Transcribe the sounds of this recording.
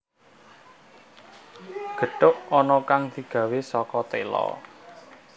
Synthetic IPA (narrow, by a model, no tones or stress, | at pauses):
ɡ̥ə̤ɖ̥ʊʔɔnɔkaŋd̪̥i̤ɡ̥ä̤wesɔkɔt̪elɔ̰